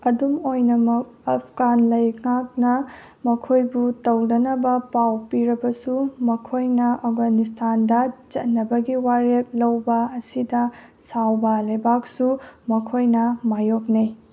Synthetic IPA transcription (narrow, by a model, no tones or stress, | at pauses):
ɐdumojnɐmɐk̚ɐpʰɡanlɐjŋak̚nɐ | mɐkʰojbutɐwdɐnɐbɐpawpiɾɐbɐsumɐkʰojnɐɐfɡanis̬tʰandɐt͡ʃɐt̚nɐbɐɡiwaɾep̚lɐwbɐɐsidɐ | sawbɐlɐjbak̚sumɐkʰojnɐmajok̚nij